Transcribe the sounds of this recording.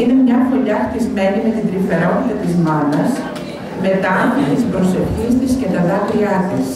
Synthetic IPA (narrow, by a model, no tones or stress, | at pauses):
ine̞mɲɐfo̞ʎɐxt̪izme̞nime̞t̪ind̪ɾife̞ɾo̞t̪it̪ɐt̪izmɐnɐs | me̞t̪ɐɐnθot̪ispɾo̞se̞fçist̪isce̞t̪ɐðɐvɾiɐt̪is